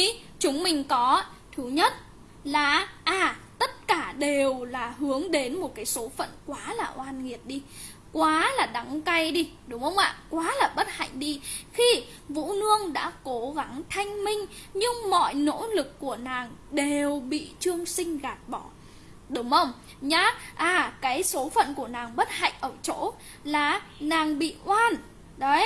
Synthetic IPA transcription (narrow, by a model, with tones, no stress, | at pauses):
i˧˦ | t͡ɕʊ˨˦ŋ͡mmï˨˩ŋ̟kɔ˨˦ | t̪ʰɨ˨˦ɲə˦˥t̚ | laː˨˩ʔaː˨˩t̪ə˦˥t̚kaː˧˩ɗe˨˩wlaː˨˩ɦɨ˨˦əŋɗe˨˦nmo˨˩t̚kaː˨˦jso˨˦fə̰˧˨nkwaː˨˦laː˨˩ʔwaː˧nŋi˨˩əp̚ɗi˧ | kwaː˨˦laː˨˩ɗa˨˦ŋka˧jɗi˧ɗʊ˨˦ŋ͡mhə˧wŋ͡mʔa̰ː˧˨kwaː˨˦laː˨˩ɓə˦˥t̚ha̰˧˨jŋ̟ɗi˧xi˧ | vṵ˧˥nɨ˧əŋɗa̰ː˧˥ko˨˦ɣa˨˦ŋt̪ʰa˧jŋ̟mï˧ŋ̟ɲɨ˧ŋmɔ̰˧˨jno̰˧˥lɨ˨˩kːu˧˩ənaː˨˩ŋɗe˨˩wɓḭ˧˨t͡ɕɨ˧əŋsï˧ŋ̟ɣaː˨˩t̚ɓɔ˧˩ | ɗʊ˨˦ŋ͡mhə˧wŋ͡m | ɲaː˧˥ʔaː˨˩kaː˨˦jso˨˦fə̰˧˨nku˧˩ənaː˨˩ŋɓə˦˥t̚ha̰˧˨jŋ̟ʔəː˧˩wt͡ɕo̰˧˥ | laː˨˩naː˨˩ŋɓḭ˧˨ʔwaː˧n | ɗə˨˦j